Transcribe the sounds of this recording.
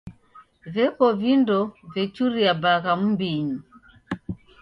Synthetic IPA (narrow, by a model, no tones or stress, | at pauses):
vɛkɔvindɔvɛt͡ʃuɾiabaɣam̩mbiɲi